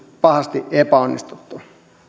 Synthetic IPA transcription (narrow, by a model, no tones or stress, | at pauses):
pɑhɑst̪iʔepæonːist̪ut̪ːu